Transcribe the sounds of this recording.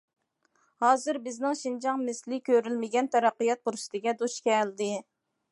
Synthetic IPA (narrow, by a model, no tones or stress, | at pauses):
hɑːzɨɾbɪznɪŋʃind͡ʒɑŋmɪslɪkʲøɾylmɪɡʲɛnt̪ʰɛɾɑqːɨjɑt̪̚buɾʃt̪ɪɡʲɛd̪uʃkʲɛld̪ɪ